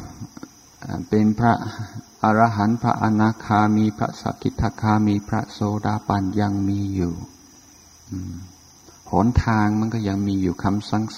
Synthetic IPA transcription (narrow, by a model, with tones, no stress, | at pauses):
ʔa̰˨pe˧npʰɾa̰˦˥ʔʔa˧ɾaː˧ɦa˩˦npʰɾa̰˦˥ʔa˧naː˧kʰaː˧miː˧pʰɾa̰˦˥sa̰˨˧˦kʰi˨˦˩t̪ʰːa˧kʰaː˧miː˧pʰɾa̰˦˥soː˧daː˧pa˧nja˧ŋmiː˧juː˨˩ | ʔɯː˧˩m | hɔː˩˦nt̪ʰaː˧ŋma˧˥˨nkɔː˥˩ja˧ŋmiː˧juː˨˩kʰa˧msa˧˩ŋs